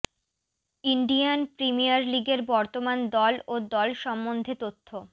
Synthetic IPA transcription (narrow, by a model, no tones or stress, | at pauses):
iɳɖianpɾimijaɾliɡeɾbɔɾt̪omand̪ɔlod̪ɔlʃɔmːond̪ʱet̪ot̪ʰːo